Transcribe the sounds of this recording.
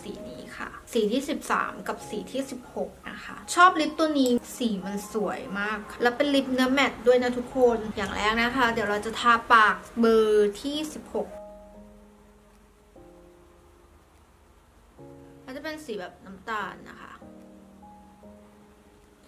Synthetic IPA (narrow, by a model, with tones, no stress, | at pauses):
siː˨˩˦nḭː˦˥kʰa̰˥˩siː˨˩˦t̪ʰiː˥˩si˨˩p̚sa̰ː˩˦mka˨˩p̚siː˨˩˦t̪ʰiː˥˩si˨˩p̚ho˨˩k̚na̰˦˥kʰa̰˦˥t͡ɕʰɔː˥˩p̚li˦˥p̚t̪u˧əŋniː˦˥siː˨˩˦ma˧nsu˩˦əjmaː˥˩kʰːa˧˩lɛː˦˥wpe˧nli˦˥p̚nɯ˦˥ɐmɛ˨˩t̪̚du˥˩əjna˦˥˩t̪ʰu˦˥kʰo˧njaː˨˩ŋlʔɛ̰ː˦˥k̚na˦˥kʰa˦˥d̪i˨˩˦wɾa˧wt͡ɕa˨˩t̪ʰaː˧˥paː˨˩k̚bɤː˧t̪ʰiː˥˩si˨˩p̚ho˨˩k̚ | ɾa˧t͡ɕa˨˩pe˧nsiː˩˦bɛː˨˩p̚na˦˥mt̪aː˧nːa̰˦˥kʰa̰˦˥ʔ